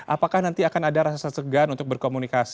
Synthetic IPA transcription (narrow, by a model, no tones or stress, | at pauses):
ʔa̰pakahnant̪iakanadaɾaasasəɡanunt̪ʊk̚bərkomunikas